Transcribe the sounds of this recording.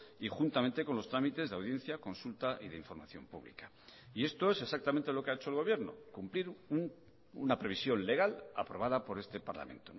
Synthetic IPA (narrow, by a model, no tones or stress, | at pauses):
ixunt̪amẽnt̪e̞ko̞nlo̞st̪ɾamit̪e̞zðeawð̞je̞n̟θjako̞nsult̪aʔiðeiɱfo̞ɾmaθjo̞mpṵβlḭka | ie̞st̪oe̞se̞sak̚t̪amẽnt̪e̞lo̞keaet͡ʃoelɣo̞βje̞ɾno̞̰kumpliɾuŋ | ṵnapɾe̞β̞isjo̞nle̞ɣ̞ala̰pɾo̞β̞aðapo̞ɾe̞st̪e̞paɾla̰mẽ̞̰nt̪o